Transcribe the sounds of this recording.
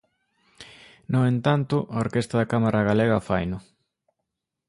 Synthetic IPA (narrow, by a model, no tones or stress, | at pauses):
noent̪ant̪ʊʔɐoɾkest̪ɐðakamaɾaɣaleɣɐfa̰jnʊ